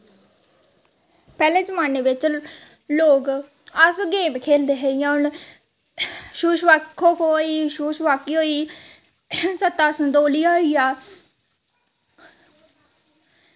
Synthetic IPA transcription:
pɛːlẽːd͡ʒəmaːneːʋɪt͡ʃ | loːɡ | əsɡeːmkʰeːld̪eːɦeːiːãːʊn | ʃuːʃʋakʰokɦoːiːʃuːʃʋaːkiːɦoːiː | sət̪ːaːsənd̪oːliːaːiːaː

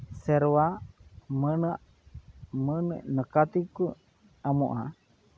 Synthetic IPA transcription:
sɛɾwa | mənəʔ | mənənəkat̪iku | amuʔa

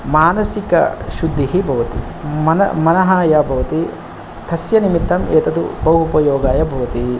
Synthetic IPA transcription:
maːnɐsikɐ̰ʃud̪ʱːiɦibʱɐʋɐt̪ḭ | mɐnɐmɐnɐɦaːjɐbʱɐʋɐt̪i | t̪ʰɐsjɐnimit̪ːɐmʔeːt̪ɐt̪ṵbɐwɦupɐjoːɡaːjɐbʱɐʋɐt̪i

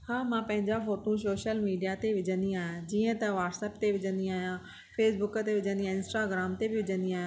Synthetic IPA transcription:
haːmãpɐ̃ɦɪ̃ɲd͡ʑafoːʈũs̬oːʃəlmiːɖijat̪eʋɪd͡ʑə̃nd̪iaːɦjãd͡ʑiːə̃t̪ɐʋaːʈsəpt̪eʋɪd͡ʑə̃nd̪iaːɦijã | fʰeːsbʊkə̆t̪eʋɪd͡ʑə̃nd̪iãɪ̃nsʈaɡɾaːmt̪ebɪʋɪd͡ʑə̃nd̪iaːɦjã

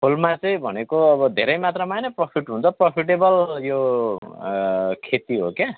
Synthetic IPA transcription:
pʰolmat͡sʌĩbʱʌ̰nekoʌbʌd̪ʱeɾʌjmat̪ramajnʌpropʰiʈɦunt͡sʰʌpropʰiʈebʌljo | kʰet̪iɦoke

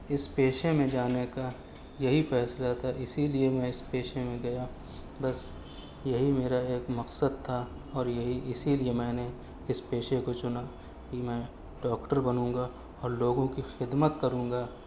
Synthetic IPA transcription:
ɪspeːʃemẽd͡ʒaːneka | jɐɦifɛːslat̪ʰaʔɪsiliemɛ̃ɪspeːʃemẽɡɐja | bɐs | jɐɦimeːɾaeːkmɐqsəd̪̚t̪ʰa | ɔːɾjɐɦiʔɪsiliemɛ̃ːne | ɪspeːʃekot͡ʃʊna | kimɛ̃ː | ɖɔːkʈəɾbɐnũːŋɡa | ɔːɾloːɡõkixɪd̪mət̪kɐɾũːŋɡaː

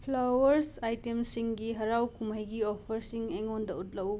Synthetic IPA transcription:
pʰlawɐɾsajtemsiŋɡiɦɐɾawkumajɡiopʰɐɾsiŋeŋondɐut̚lɐw

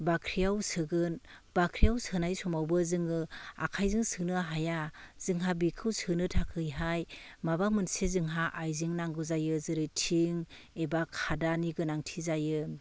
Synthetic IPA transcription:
bakʰɾijawsɯɡɯn | b̥akʰɾijawsɯnajsɔmawbɯzɯŋɯa̰kʰajzɯŋsɯnɯɦajaz̥ɯŋɦabikʰɯwsɯnɯtʰakʰɯjɦajmabamɯnsezɯŋɦaʔajziŋnaŋɡɯzajɯzɯɾɯjtʰiŋebakʰadaniɡɯnaŋtʰizajɯ

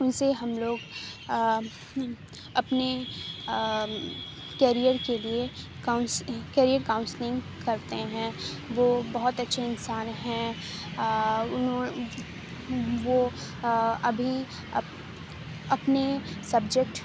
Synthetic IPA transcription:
ʊnseɦɐmloːɡ | ɐpne | keːɾijəɾkelie | kaʊnskɛːɾijəɾkaːʊ̃nslɪ̃ŋɡ | kɐɾt̪eɦɛ̃ː | ʋoːbɐɦʊt̪ɐtːʃʰeɪnsaːnɦɛ̃ | ʊ | ʋo | ɐbʱi | ɐpnesɐbd͡ʒek̚ʈ

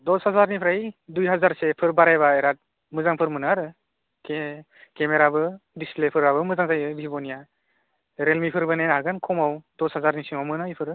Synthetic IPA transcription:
dɔshazaɾnipʰɾajdujɦazaɾsepʰɯɾbaɾajβaeɾat̚ | mɯzaŋpʰɯɾmɯnaɾɯ | ke | kemeɾabɯdisplepʰɯɾabɯmɯzaŋzajɯbʱibɔnija | ɾelmipʰɯɾbɯnejnɦaɡɯnkʰɔmawdɔshazaɾnisiŋawmɯnajpʰɯɾɯ

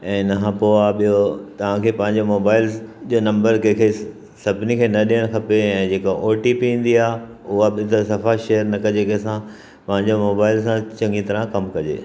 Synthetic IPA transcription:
ɛ̃ːnɐɦãpoaɓijot̪ɐʋ̤ãkʰeːpɐ̃ɦɪ̃ɲ̆d͡ʑomoːbaːɪld͡ʑoːnɐ̃mbəɾkɐ̃kʰe | sɐbʱɪnikʰeːnɐɗijəɽ̃kʰɐpeɛ̃ːd͡ʑeːkaʔoːʈipiĩːn̆d̪iaːɦ | ʊɦaɓɪt̪əsɐfaʃeːəɾnɐkɐd͡ʑeːkɐsã | pɐ̃ɦɪ̃ɲd͡ʑomoːbaːɪlsãt͡ɕɐ̃ŋɡit̪ɐɾãkɐmkɐd͡ʑḛː

